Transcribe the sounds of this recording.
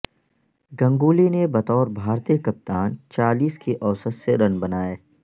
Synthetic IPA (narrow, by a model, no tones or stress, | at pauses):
ɡɐ̃ŋɡuːlinebɐt̪ɔːɾbʱaːɾt̪iːəkɐp̚t̪aːnt͡ʃaːliːskiʔɔːsət̪seɾɐnbɐnaːeː